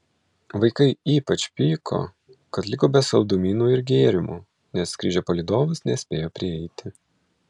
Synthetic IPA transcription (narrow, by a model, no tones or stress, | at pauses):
ʋɐɪkɐɪiːpɐt͡ʃʲpʲiːkʰo̰ː | kɐt̪lʲɪkoːbʲɛsɐʊd̪ʊmʲiːnuːɪɾɡʲeːɾʲɪmu | nʲɛskʲɾʲiːʒʲɛpoːlʲɪd̪oːʋʊsnʲɛsʲpʲeːjoːpʲɾʲɪɛɪt̪ʲɪ